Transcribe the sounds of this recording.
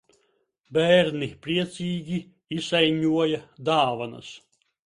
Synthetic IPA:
bɛːɾnipɾiɛt̪siːɡʲi | isajɲʲuɔjɐd̪aːvanɐ̰s

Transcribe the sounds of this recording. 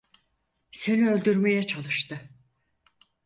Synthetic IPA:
se̞niø̞lʲd̪yɾme̞jɛt͡ʃʰalˠɯʃt̪ɯ

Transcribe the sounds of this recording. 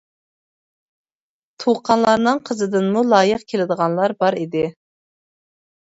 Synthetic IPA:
t̪ʰoqʰɑnlˠɑɾnɨŋqʰəzɨd̪ɨnmulˠɑːjəqkʲʰelɪd̪əʁɑnlˠɑɾbɑɾid̪ɪ

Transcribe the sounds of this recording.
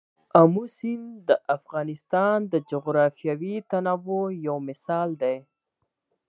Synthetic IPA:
amusind̪əʔafɣɑnɪst̪ɑnd̪əd͡ʒʊɣɾɑfjɑwit̪anawojawmɪsɑld̪aj

